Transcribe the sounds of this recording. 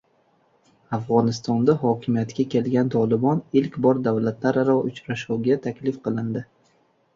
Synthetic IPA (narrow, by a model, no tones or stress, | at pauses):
afʁɒnɪst̪ɒnd̪aɦɒkʲʰɪmijat̪kʲakʲʰe̞lɡʲant̪ʰɒlˠɪbɒnɪlkʲbɒɾd̪avlat̪laɾɾɒʊt͡ʃɾaʃuwɡʲat̪ʰakʲlɪfqɨlˠɪnd̪ɪ